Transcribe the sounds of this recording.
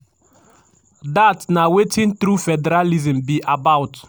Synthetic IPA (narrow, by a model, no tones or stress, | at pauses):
datnawetĩnt̪ɾufɛdɛɾalizɛ̃mbiʔabawt